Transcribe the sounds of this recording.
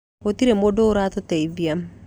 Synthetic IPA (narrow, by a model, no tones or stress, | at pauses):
ot̪iɾemodoɾat̪ɔt̪ɛiviam